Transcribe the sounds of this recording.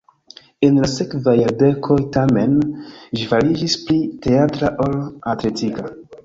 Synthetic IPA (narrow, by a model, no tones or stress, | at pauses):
e̞nlase̞kvajaɾde̞kʰo̞jtame̞nd͡ʒifaɾid͡ʒisplite̞atɾaʔolatle̞tika